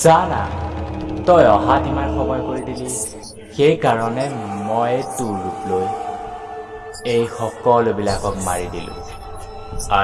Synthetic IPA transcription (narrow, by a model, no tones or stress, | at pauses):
zana̰ | tɔjɔɦatimanxɔbɔjkoɹidili | xejkaɹɔnɛmɔjtuɹːuploj | ejxɔkɔlobilakɔkma̰ɹidilʊ̰̃ | a